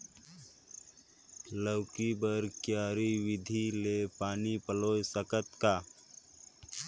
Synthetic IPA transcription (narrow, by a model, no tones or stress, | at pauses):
ləwkibəɾkjaːɾiʋɪd̪ʱilepaːnipəloːjsəkət̪kaː